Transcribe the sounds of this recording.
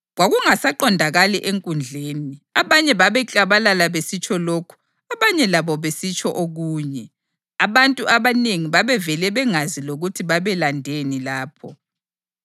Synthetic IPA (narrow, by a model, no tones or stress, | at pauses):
ɣwaɣuŋasaǃɔndʱaɣalɛʔeŋkʼund͡ɮʱeːniaβaɲɛβaβɛt͡ɬʼaβalalaβesit͡ʃʼʰɔlokʰu̥ | aβaɲɛlaβɔβesit͡ʃʼɔʔoɣuːɲɛ | aβantʼuʔaβaneŋiβaβɛvɛlɛβɛŋaziloɣutʰiβaβɛlandʱenilaːpʰɔ